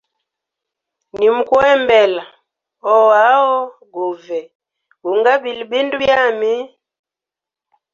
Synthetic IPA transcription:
ni˨mu˨kwɛ˦mbɛ˨la˨ | ɔ˦a˨˦wɔ˦ | ɡu˨vɛ˨ | ɡu˨ŋɡa˦bi˨lbi˦ndu˦bja˦˨mi˦

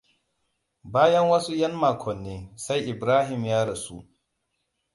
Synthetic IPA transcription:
baː˦jɐ˦ŋwɐ˦su˦jɐ˦nmaː˨kʷʰɔ˨nːeː˦sa˦jʔɪ˨bɾaː˦ɦɪ˨mjaː˦ɽɐ˨su˦ʔ

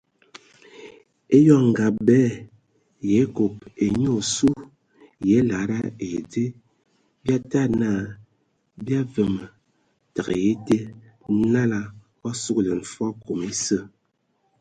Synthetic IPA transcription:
e˦jɔ˦ŋ˨ɡa˨bɛː˦ | je˨˦ko˨pe˨ɲo˦o˨su˦ | jɛ˨˦la˨˦ɾa˦e˨de˦ | bja˦ta˦˨na˦˨ | bja˦və˨mə˨ | ta˨ɣə̰˨je˦te˦ | na˦la˦ | ɔ˦su˦kle˨n̩˨fɔ˦ko˨me˦sə˦˨

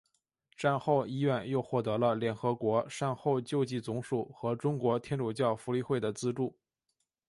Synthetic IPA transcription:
ʈ͡ʂa˥˧nxo˥˧ʊi˥ɥɛ˥˧njo˥˧ʊxwɔ˥˩t̪ɤ˧˥lə˧ljɛ˨˩nxɤ˧˥kwɔ˧˥ʂa˥˧nxo˥˧ʊt͡ɕjo˥˧ʊt͡ɕi˥˩t͡sʊ˧˥ŋʂu˨˩xɤ˧˥ʈ͡ʂʊ˥ŋkwɔ˧˥t̪ʰjɛ˥nʈ͡ʂu˨˩t͡ɕjɑ˥˩ʊfu˧˥li˥˧xwe˥˩ɪd̪ə˩t͡sɹ̩˥ʈ͡ʂu˥˩

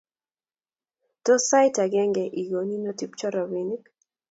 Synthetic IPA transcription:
tɔ˦sa˦jta˨ɡɛ˦ŋɡɛ˨ʔi˨ɡo˨ni˦nɔ˦ti˦p̚t͡ʃɔ˦ɾɔ˨wi˨nɪ˦k

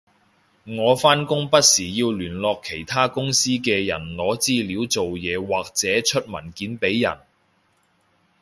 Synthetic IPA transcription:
ŋɔː˨˧faː˥nkʊ˥ŋpɐ˥t̚siː˨˩jiː˧wlyː˨˩nlɔː˧kʰːe˨˩jt̪ʰaː˥kʊ˥ŋsiː˥kɛː˧jɐ̰˨˩nlɔː˨˥t͡siː˥liː˨˥wt͡so˨wjɛː˨˧waː˨˩k̚t͡sɛː˨˥t͡ʃʰɵ˥t̚mɐ˨˩nkiː˨˥npe˨˥jːɐ̰˨˩n

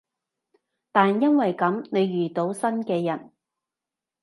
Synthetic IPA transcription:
t̪aː˨njɐ˥nwɐ˨jkɐ˨˥mne˨˧jɥyː˨˩t̪o˨˧˥wsɐ˥nkɛː˧jɐ˨˩n

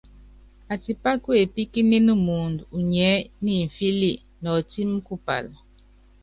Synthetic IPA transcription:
a˨ti˨pa˦kwe˨pi˦ki˦ne˦nɨ˦mu˨ndu˨ɲɛ˨˦ni˦˨ɱ̩˨fi˦li˦˨ | nɔ˨ti˦m˦ku˦pa̰˨l

